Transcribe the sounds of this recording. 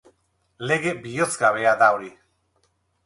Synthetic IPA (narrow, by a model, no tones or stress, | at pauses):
le̞ɣe̞bio̞t͡sɡaβe̞aðaoɾi